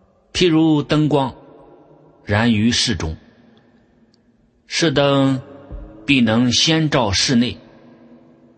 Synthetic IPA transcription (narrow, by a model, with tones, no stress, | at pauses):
pʰi˥˩ɻu˧˥t̪ə˥ŋkwɑ˥ŋ | ɻa˧˥ny˧˥ʂɻ̩˥˩ʈ͡ʂʊ̰˥ŋ | ʂɻ̩˥˩t̪ə˥ŋ | pi˥˩nɤ˧˥ŋɕjɛ˥nʈ͡ʂɑ˥˧ʊʂɻ̩˥˧ne˥˩ɪ